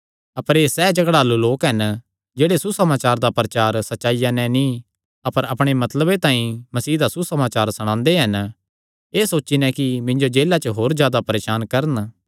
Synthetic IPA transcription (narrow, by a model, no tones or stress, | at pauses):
ɐpəɾeːsɛːd͡ʒɐɡɽaːluloːkɦɛn | d͡ʒeːɽesusɐmaːt͡ʃaːɾd̪apɐɾɐt͡ʃaːɾsɐtːʃaːijãnɛ̃nĩ | ɐpəɾɐpɽ̃emɐt̪ləbet̪ãːĩmɐsiːd̪asusɐmaːt͡ʃaːɾsɐɽ̃ãːnd̪eɦɐn | eːsoːt͡ʃinɛ̃kimɪ̃ɲd͡ʒod͡ʒeːlat͡ʃəɦoːɾzjaːd̪apɐɾeːʃaːnkɐɾən